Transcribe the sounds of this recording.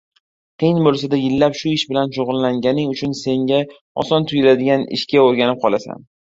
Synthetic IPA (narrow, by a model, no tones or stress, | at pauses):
qʰɨjnbolˠsad̪ajɪlːapʃʊɪʃbɪlanʃoʁɨlːaŋɡʲanɪŋʊt͡ʃʰʊnse̞ŋɡʲa | ɒ̰sɒnt̪ʰʊjɪlad̪ɪɡʲanɪ̰ʃkʲaoɾɡʲanɪp̚qʰɒlˠasa̰n